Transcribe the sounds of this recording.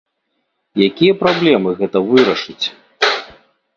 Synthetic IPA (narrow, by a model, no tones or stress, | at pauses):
jakʲijɐpɾablʲɛmɨɣɛt̪ɐvɨɾɐʂɨt͡sʲ